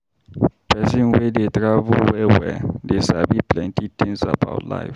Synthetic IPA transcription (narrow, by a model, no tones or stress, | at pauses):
pɛsĩnwedet̪ɾavuwɛwɛ̰desabiplɛ̃ntitĩnza̰ba̰ʊtla̰jf